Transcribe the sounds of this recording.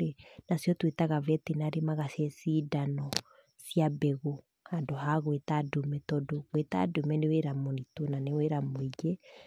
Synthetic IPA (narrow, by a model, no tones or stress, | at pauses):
ɾenasjɔtwetaɣavɛtenaɾemaɣasjɛsiːdanɔ | siabɛɣo | handoɦaɣwetadumɛtɔdoɣweta̰domɛneweɾamonitonaneweɾamoid͡ʒɛ